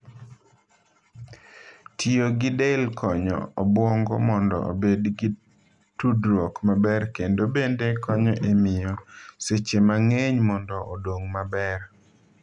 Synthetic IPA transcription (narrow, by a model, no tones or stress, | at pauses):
tioɡɪdelkʰɔɲɔ̰ɔbwɔŋɡɔmɔndɔ̰o̰bedɡi | tudɾwɔkmabɛrkendobendekɔɲɔʔemɪjɔset͡ʃemaŋeɲmɔndɔʔɔdwoŋmabɛr